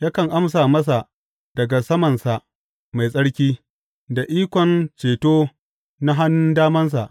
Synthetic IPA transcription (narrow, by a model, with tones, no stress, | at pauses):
jaː˦kɐ˨ŋʔa˦ms̬aː˨mɐ˦s̬a˨ʔ | d̥ɐ˨ɡa˨sɐ˦mɐ˨nsa˨ʔ | ma˨jsʼɐ˦ɽkʲiː˦ | da˨ʔiː˦kʷɔ˨nt͡ʃeː˨toː˦ | na˦ɦa˦nː˦ndaː˦mɐ˦ns̬a˨ʔ